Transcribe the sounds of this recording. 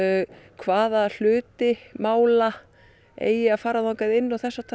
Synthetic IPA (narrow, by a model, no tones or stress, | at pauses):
kʰvaːðaðl̥ʏːt̪ɪmaːwla | ḛːjɪaðfaːɾaðaŋkaðɪnːɔwθɛsːat̪ʰ